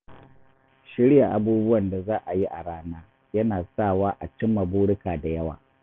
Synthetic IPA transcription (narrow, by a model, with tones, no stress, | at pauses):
ʃɪ˦ɽja˨ʔa˦buː˦bʊ˦wɐ˨nda˨zaː˦ʔa˨ji˦ʔa˨ɽaː˦naː˦ | jɐ˦naː˨saː˦˨waː˦ʔa˨t͡ʃɪ˦mːɐ˨buː˦ɽɪ˦kaː˨da˨jɐ˦wa̰ː˨